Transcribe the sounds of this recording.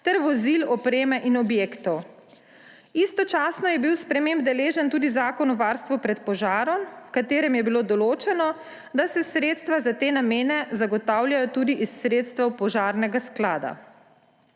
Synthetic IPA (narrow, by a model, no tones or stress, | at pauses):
t̪ɛɾʋɔzilɔpɾeːmɛʔinɔbjeːkt̪ɔw | ist̪ɔt͡ʃaːsnɔjɛbiwspɾɛmẽmbd̪ɛleːʒɛnt̪uːd̪izaːkɔnɔʋaːɾst̪ʋupɾɛt̪pɔʒaːɾɔmwkat̪eːɾɛmjɛbiloːd̪ɔloːt͡ʃɛnɔ | d̪asɛsɾeːt̪st̪ʋazat̪eːnameːnɛzaɡɔt̪aːwljajɔt̪uːd̪iʔisːɾeːt̪st̪ʋɛwpɔʒaːɾnɛɡasklaːd̪a̰